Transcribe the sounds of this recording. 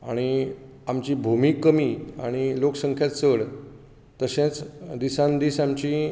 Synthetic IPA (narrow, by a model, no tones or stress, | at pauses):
aɽ̃i | amt͡ɕibʱumikːəmia̰ɽ̃iloksəŋkʰjat̪səɽ | t̪əɕẽt͡sd̪isãnd̪iːsamt͡ɕi